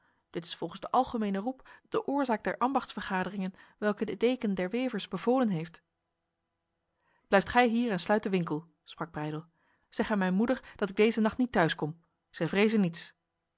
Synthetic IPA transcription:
d̥ɪtɪ̥sfɔlˠχənzdəʔɑlˠχəmejnərupd̥əʔʊːɹzaːɡ̚dɛɹʔɑmbɑχtsfəɹχaːdərɪŋənʋɛlˠkədədejkəndɛɹʋejvəɹzbəvoːlənɦejft | b̥lɛjftχɛjɦiːrɛnslœɥtdəʋɪŋkəlˠ | sprɑɡ̚brɛjdəlˠ | z̥ɛχənmɛjnmudəɹd̥ɑtɪɡ̚dejzənɑχtnitœɥskɔm | z̥ɛjvrejzənːits

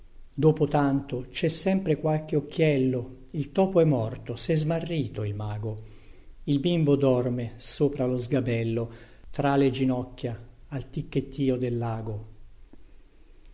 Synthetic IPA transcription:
d̪oːpot̪ant̪ot͡ʃɛsːɛmpɾekwalk̟eokːjɛlːo | ilt̪ɔːpoɛmːɔrt̪osɛzmarːiːt̪oilmaːɡo | ilbimbod̪ɔrmesoːpɾalozɡabɛlːo | t̪ɾaled͡ʒinɔkːjaːlt̪ikːet̪ʰːiːod̪elːaːɡo

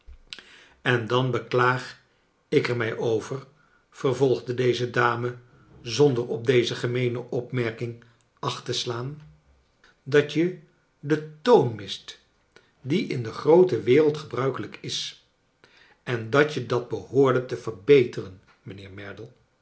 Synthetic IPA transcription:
ɛndɑnbəklaːχ | ɪkɛɹmɛjʔowvər | v̥ərvɔlˠχdədejzədaːmə | zɔndərɔb̚dejzəχəmejnəʔɔpmɛɹkɪŋ | ɑχtəslaːn | dɑt͡ʃə | dətownmɪst | diʔɪndəχrowtəʋɪːrəlˠtχəbrœɥkələkɪs | ɛndɑtədɑd̚bəhʊːɹdətəvəɹbejtərən | mənɪːɹmɛɹdəlˠ

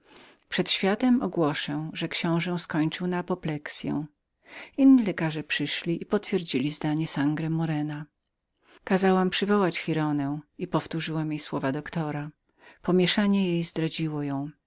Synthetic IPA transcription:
pʂɛt̪ɕfʲjat̪ɛmʔɔɡwɔʂɛw̃ʐɛkɕɔ̃w̃ʐɛw̃skɔɲt͡ʂɨwnaːpɔplɛksʲjɛ̰̃w̃ | inːilɛkaʐɛpʂɘʂlʲiʔipɔt̪fʲjɛɾd͡ʑilʲizd̪aɲɛsaŋɡɾɛmɔɾɛna | kazawampʂɘvɔwat͡ɕxiɾɔnɛwipɔft̪uʐɘwamjejswɔvad̪ɔkt̪ɔɾa | pɔmʲjɛʂaɲɛjejzd̪ɾad͡ʑiwɔjɔ̃w̃

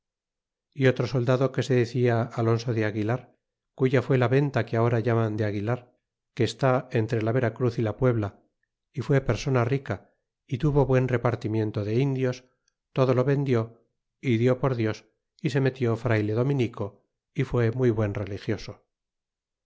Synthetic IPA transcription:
io̞t̪ɾo̞so̞ld̪aðo̞ke̞se̞ðeθiaalo̞nso̞ðeaɣilaɾ | kuʝafwe̞laβe̞nt̪akeao̞ɾaʝamand̪eaɣilaɾ | ke̞ːst̪aent̪ɾe̞laβe̞ɾakɾuθilapwe̞βla | ifwe̞pe̞ɾso̞narika | it̪uβo̞βwe̞nre̞paɾt̪imjẽ̞nt̪o̞ðe̞ind̪jos | t̪o̞ðo̞lo̞βe̞nd̪jo̞ | iðjo̞po̞ɾðjo̞s | ise̞me̞t̪jo̞fɾajle̞ðo̞mĩniko̞ | ifwe̞mujβwe̞nre̞lixjo̞so̞

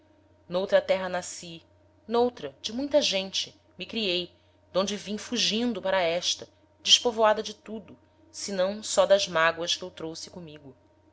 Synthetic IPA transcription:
nowt̪ɾɐt̪ɛɦɐnasi | nowt̪ɾɐd͡ʒɪmũj̃t̪ɐʒẽnt͡ʃɪ̥ | mɪkɾiej | d̪õd͡ʒɪvĩɲfuʒĩnd̪ʊpaɾɐɛʃt̪ɐ | d͡ʒɪʃpovoad̪ɐd͡ʒɪt̪ud̪ʊ | sɪnɐ̃w̃sɔd̪ɐzmaɡwɐʃkɪewt̪ɾowsɪ̥kõmiɡʊ

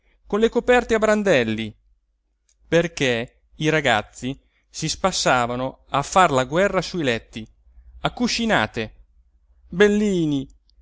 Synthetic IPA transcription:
konlekopɛrt̪eabɾand̪ɛlːi | perke | iɾaɡa̰t̪sːi | sispasːaːvanoafːarlaɡwɛrːasuilɛt̪ːi | akːut͡ʃːina̰ːt̪e | belːiːni

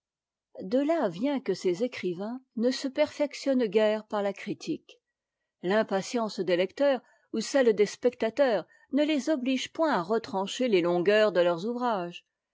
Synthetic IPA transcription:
d̪əlavjɛ̃kəsezekχivɛ̃nəsəpɛʁfɛksjɔnɡʲɛʁpaʁlakχit̪ʰik | lɛ̃pasjɑ̃sd̪elɛkt̪œːʁ | usɛld̪espɛk̚t̪at̪œʁ | nəlezɔbliʒpwɛ̃aʁət̪χɑ̃ʃelelɔ̃ɡœʁd̪əlœʁzuvʁaʒ

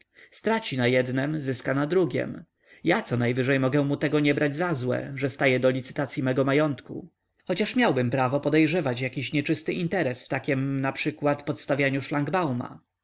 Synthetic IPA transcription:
st̪ɾat͡ɕinajɛd̪nɛmzɘskanad̪ɾuɡʲɛ̰m | jat̪sɔnajvɘʐɛjmɔɡɛ̃mut̪ɛɡɔɲɛbɾad͡ʑzazwɛ̰ʐɛst̪ajɛd̪ɔlʲit̪sɘ̥t̪at̪sʲjimɛɡɔmajɔnt̪kṵ | xɔt͡ɕaʂmʲjawbɘmpɾavɔpɔd̪ɛjʐɛvat͡ɕjakʲiɕɲɛt͡ʂɘst̪ɘʔint̪ɛɾɛsft̪akʲɛmnapʂɘkwat̪pɔt̪st̪avʲjaɲuʂlaŋɡbawma̰

